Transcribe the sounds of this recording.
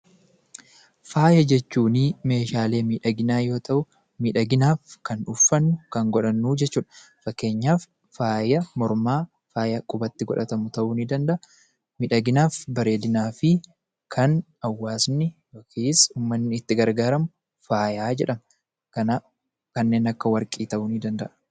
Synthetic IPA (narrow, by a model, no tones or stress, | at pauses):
faːjɐd͡ʒɛt͡ʃːuːnime̞ːʃaːle̞ːmiːᶑɐɡɪnaːjo̞ːt̪ʰɐʔʊ | miːᶑɐɡɪnaːfkɐnʊfːɐnːʊkɐŋɡɔᶑɐnːuːd͡ʒɛt͡ʃːuːᶑɐ̥fɐkːe̞ːɲːaːfː | aːjɐmɔɾmaː | faːjɐkʼʊbɐt̪ːɪɡɔᶑɐt̪ɐmʊt̪ɐʔuːnɪd̪ɐnd̪ɐʔɐ | miːᶑɐɡɪnaːfbɐɾe̞ːd̪ɪnaːfɪ | kʰɐn | ɐwːaːsnɪfɐkiːsuːmːɐnːɪɪt̪ːɪɡɐɾɡaːɾɐmʊ | faːjaːd͡ʒɛᶑɐm | kɐna | kɐnːe̞ːnɐkːɐwɐɾkʼiːt̪ɐʔʊniːd̪ɐnd̪ɐʔɐ